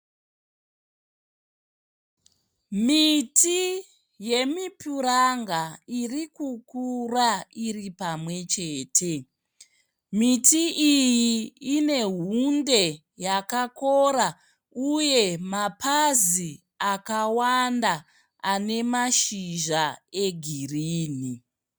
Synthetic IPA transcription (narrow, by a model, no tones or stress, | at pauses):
miti | je̞mipuɾaŋɡairikukurairipamwe̞t͡ʃe̞ːtʰe̞ | mitiʔijiːne̞ɦunde̞ | jakako̞ɾa | uje̞mapʰazi | akawanda | ane̞maʃiʒaeɡʱiriːni